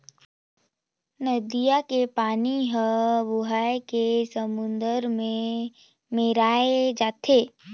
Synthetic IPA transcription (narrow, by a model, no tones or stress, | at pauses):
nəd̪ijakepaːniɦəbʊɦaːekesəmʊ̃nd̪əɾmẽ | meɾaːed͡ʒaːt̪ʰeː